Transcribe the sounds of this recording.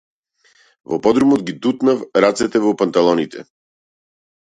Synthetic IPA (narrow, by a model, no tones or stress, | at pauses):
vɔpɔd̪ɾumɔd̪ɡid̪ut̪nafɾat̪sɛt̪ɛvɔpant̪alˠɔnit̪ʰɛ̰